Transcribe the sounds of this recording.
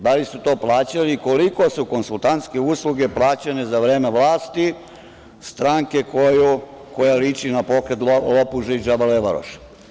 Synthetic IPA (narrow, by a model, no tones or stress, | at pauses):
d̪alisut̪oːplˠaːt͡ɕaliko̞liko̞suko̞nsulˠt̪ant̪ske̞usluɡe̞plˠaːt͡ɕanezaʋɾe̞ːmeʋlˠaːst̪i | st̪ɾaŋke̞kojukojalit͡ʃinapo̞kɾet̪lopuʒid͡ʒabaleʋaɾo̰ʃ